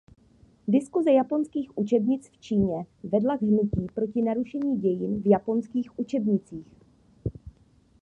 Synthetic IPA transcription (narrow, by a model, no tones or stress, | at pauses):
dɪskuzɛjapo̞nskiːxʔut͡ʃɛbɲɪt͡sft͡ʃiːɲɛvɛdlaɡɦnuciːpɾo̞cɪnaɾuʃɛɲiːɟɛjɪnvjapo̞nskiːxʔut͡ʃɛbɲɪt͡siːx